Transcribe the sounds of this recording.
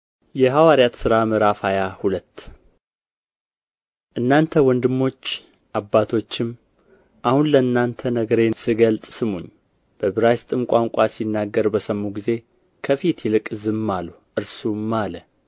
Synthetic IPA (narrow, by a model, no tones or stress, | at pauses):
jɛɦawaɾjat̪sɨɾamɨɾafajahulət̪ː | ʔɨnːant̪ʰəwɔnd̪ɨmːo̞t͡ʃː | ʔabːat̪ʰo̞t͡ʃːɪm | ʔahunləɨnːant̪ʰənəɡəɾe̞nsɨɡəlt̪ʼsɨmuɲː | b̥əbɨɾajst̪ʼɨmkʷʼaŋkʷʼasinːaɡːəɾbəsəmːuɡize̞ | kʰəfit̪jɛlɨkʼɨzɨmːalu | ʔɨɾsumːalə